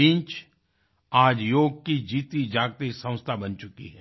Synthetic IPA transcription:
ĩnt͡ʃ | aːd͡ʒjoːɡ̚kid͡ʒiːt̪id͡ʒaːɡ̚t̪isə̃ʊ̃st̪ʰabɐnt͡ʃʊkḭɦɛː

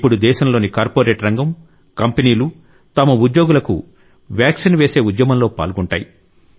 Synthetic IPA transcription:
pːuɽud̪ɛːʃɐmlo̞ːnikaːɾpoːɾeːʈɾɐŋɡɐm | kɐmpeniːlu | t̪ɐmɐud̪jo̞ːɡulɐkṵ | ʋjaːkʂinʋeːse̞ːud̪jɐmɐmlo̞ːpa̰ːlɡuɳʈa̰ːji

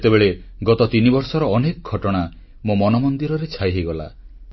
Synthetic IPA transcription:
t̪ebeɭeɡɔt̪ɔt̪inibɔɾsɔɾɔɔnekɔɡʱɔʈɔɽ̃a | momɔnɔmɔnd̪iɾɔɾet͡ʃʰajɦejɡɔla̰

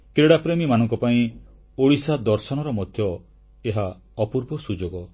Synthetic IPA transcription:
kɾeɽapɾemimanɔŋkɔpaĩ | oɽisad̪ɔɾsɔñɔɾɔmɔd̪ʱjɔ | eɦa | ɔpuɾbɔsud͡ʒoɡɔ

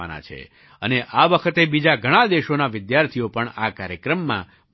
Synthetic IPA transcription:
a̰na̰t͡ʃʰḛ | əneʔaʋəkʰət̪ebid͡ʒaɡʱəɽ̃ãd̪eʃonaʋɪd̪jaɾt̪ʰijopəɳakaɾjəkɾəmːã̰

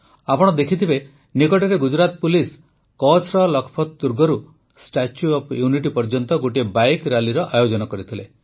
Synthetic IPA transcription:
apɔɽ̃ɔd̪ekʰit̪ʰibe | nikɔʈɔɾeɡud͡ʒɾat̪̚pulis | kɔt͡ʃʰɾɔlɔkʰɔ̥pʰɔt̪d̪uɾɡɔɾu | sʈat͡ʃjuɔpʰjuniʈipɔɾd͡ʒɔnt̪ɔɡoʈibajkɾaliɾɔʔajod͡ʒɔnɔkɔɾit̪ʰile

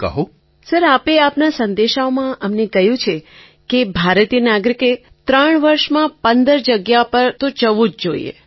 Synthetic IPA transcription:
kə̰ɦo | səɾapeapnasə̃nd̪eʃaomãʔəmnekəɦjũt͡ʃʰe | kebʱaɾt̪ijənaɡɾike | t̪ɾəɳ̃ʋəɾʃmãpənd̪əɾd͡ʒəɡjapəɾt̪ot͡ʃəʋũd͡ʒd͡ʒoḭḛ

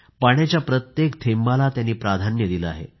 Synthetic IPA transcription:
paɽ̃jat͡ɕjapɾət̪jekt̪ʰembalat̪janːiːpɾad̪ʱanjəd̪iləa̰ɦḛ

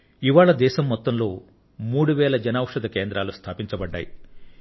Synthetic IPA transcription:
iʋaːɭɐd̪ɛːʃɐmːɔt̪ːɐmlo̞ː | muːɽuʋɛːɭɐd͡ʒɐnaːʋɐʂɐd̪ɐkeːnd̪ɾaːlust̪ʰaːpiɲt͡ʃɐbɐɖːa̰ːji

